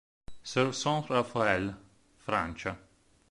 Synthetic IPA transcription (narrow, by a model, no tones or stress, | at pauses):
sɛɾsɔ̃ɾafaɛl | fɾa̰nt͡ʃa